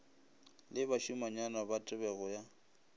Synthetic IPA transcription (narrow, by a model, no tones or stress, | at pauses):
lɪbaʃumaɲanabatʼɪbɛɣɔja